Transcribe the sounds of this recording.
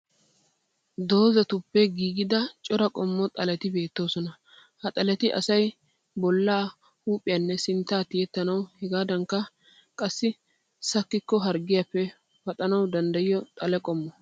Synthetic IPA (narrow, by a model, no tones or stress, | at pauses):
d̪o̞ːzɐt̪ʊpːɛɡiːɡɪd̪ɐt͡ʃʼɔɾɐkʼɔmːɔt̪ʼɐlɛt̪ɪbe̞ːt̪ːo̞ːsɔnɐ | hɐt̪ʼɐlɛt̪ɪʔɐ̰sɐj | bɔlːaː | huːpʼɪjɐnːɛsɪnt̪ːaːt̪ɪjɛt̪ːɐnɐwhɛɡaːd̪ɐŋkːɐ | kʼɐsːɪ | sɐkːɪkːɔɦɐɾɡɪjapːɛ | fɐt̪ʼɐnɐwd̪ɐnd̪ɐjɪjːɔt̪ʼɐlɛkʼɔmːɔ